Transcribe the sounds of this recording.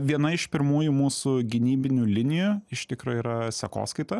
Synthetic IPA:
ʋʲiɛnɐɪʃpʲɪɾmuːjumuːsʊɡʲɪnʲiːbʲɪnʲuːlʲɪnʲɪjuɪʃt̪ʲɪkɾoːiːɾɐsʲɛko̰ːskɐɪt̪ɐ

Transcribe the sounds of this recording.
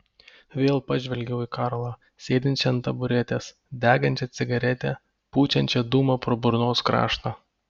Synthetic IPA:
ʋʲeːlˠpɑʒʲʋʲɛlʲɡʲɛʊiːkɑːɾlˠɑː | sʲeːd̪ʲɪnʲt͡ʃʲɛɐnt̪ɐbʊɾʲɛt̪ʲes | d̪ʲæːɡɐnʲt͡ʃʲɛt̪sʲɪɡɐɾʲɛt̪ʲɛ | puːt͡ʃʲɛnʲt͡ʃʲɛd̪uːmɐpɾoːbʊɾnoːskɾɑ̰ːʃt̪ɑː

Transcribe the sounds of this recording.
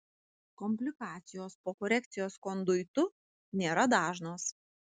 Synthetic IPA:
kɔmʲpʲlʲɪkɑːt̪sʲɪjoːspoːkɔɾʲɛk̚t̪sʲɪjoːskɔnd̪ʊɪt̪ʊ | nʲeːɾɐd̪ɑːʒnoːs

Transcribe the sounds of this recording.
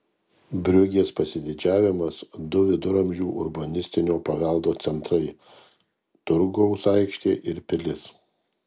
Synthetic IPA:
bʲɾʲʊɡʲeːspɐsʲɪd̪ʲɪd͡ʒʲæːʋʲɪmɐsd̪ʊʋʲɪd̪ʊɾɐmʲʒʲuːʔʊ̰ɾbɐnʲɪsʲt̪ʲɪnʲoːpɐʋʲɛlˠd̪oːt̪sʲɛnt̪ɾɐɪ | t̪ʊɾɡɔʊsɐˑɪkʃʲt̪ʲeːʔɪɾpʲɪlʲɪs

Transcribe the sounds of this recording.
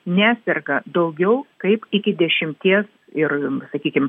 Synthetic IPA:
nʲæːsʲɛrɡɐd̪ɐʊɡʲɛʊkɐɪpɪkʲɪd̪ʲɛʃʲɪmʲt̪ʲiɛs | ɪrsɐkʲiːkʲɪm

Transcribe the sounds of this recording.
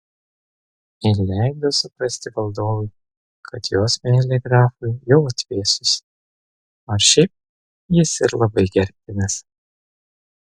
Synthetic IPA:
ɪlʲæˑɪɡd̪ɐsʊpɾɐsʲt̪ʲɪʋɐlˠd̪oːʋʊɪ | kʰɐt̪joːsmʲɛlʲɛɡɾɑːfʊɪjɛʊɐt̪ʲʋʲeːsʊs | oːʃʲɛɪp̚ | jɪsɪɾlˠɐbɐɪɡʲɛɾʲp̚ʲt̪ʲɪnʲɪs

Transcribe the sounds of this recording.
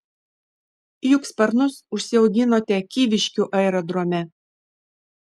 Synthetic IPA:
jʊkspɐɾnʊsʊʃʲsʲɪɛʊɡʲɪnoːt̪ʲɛkʲiːʋʲɪʃʲkʲuˑʔɐɪɾɐd̪ɾoːmʲɛ

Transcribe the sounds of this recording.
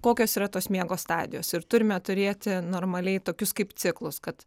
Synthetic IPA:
koːkʲoːsiːɾɐt̪oːsmʲiɛɡoːsst̪ɑːd̪ʲɪ̰joːsɪɾt̪ʊɾʲɪmʲɛt̪ʊɾʲeːt̪ʲɪnoːɾmɐlʲɛɪt̪oːkʲʊskɐɪpt̪sʲɪklˠʊskɐt̪

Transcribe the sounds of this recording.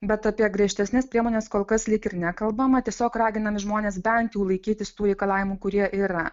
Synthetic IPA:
bʲɛt̪ɐpʲiɛɡɾʲiɛʃʲt̪ʲɛsʲnʲɛspɾʲiɛmoːnʲeːskoːlˠkɐslʲɪkɪɾnʲækɐlˠbɐmɐt̪ʲiɛsʲoːkrɑːɡʲɪnɐmʲɪʒmoːnʲeːsbʲɛnt̪juːlˠɐɪkʲiːt̪ʲɪst̪uːɾʲɛɪkɐlˠɑːʋʲɪmuːkʊɾʲiɛʔiːɾɐ

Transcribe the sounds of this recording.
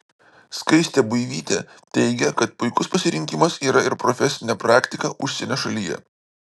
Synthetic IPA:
skɐɪsʲt̪ʲebʊɪʋʲiːt̪ʲḛ | t̪ʲɛɪɡʲɛkɐt̪̚pʊɪkʊspɐsʲɪɾʲɪŋʲkʲɪmɐsiːɾɐɪɾpɾɔfʲɛsʲɪnʲɛpɾɑːkʲt̪ʲɪkɐʔʊʃʲsʲɛnʲɛʃɐlʲijɛ̰

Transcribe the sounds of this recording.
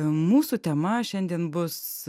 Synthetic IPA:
muːsut̪ʲɛmɐʃʲɛnʲd̪ʲiɛnbʊs

